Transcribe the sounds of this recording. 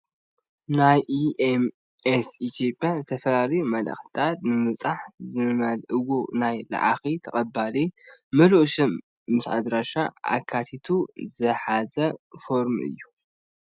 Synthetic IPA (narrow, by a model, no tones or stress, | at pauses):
najʔiʔem | esit̪ʰjo̞pʼjazɨt̪ʰɐfɐlalɐjumɐlɐ̰xt̪ʰat̪̚nɨmɨt͡sʼaħzɨmɐlʔɨɡonajla̰ʕa̰xit̪ʰɐkʼɐbːalimɨluʔʃɐmː | ɨsa̰d̪ɾaʃaʔa̰kʰːat̪ʰit̪ʰuzɨħazɐfo̞ɾmʔɨ̰jːu